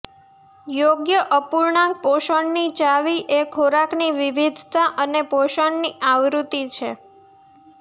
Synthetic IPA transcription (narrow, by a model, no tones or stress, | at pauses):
joɡjəʔəpuɾɳãk̚poʃəɳnit͡ʃaʋiʔekʰoɾakniʋiʋid̪ʱt̪aʔənepoʃəɳniʔaʋɾut̪it͡ʃʰe